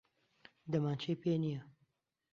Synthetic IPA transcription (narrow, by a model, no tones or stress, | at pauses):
d̪ɐmaːnt͡ʃʰepeːnijɐ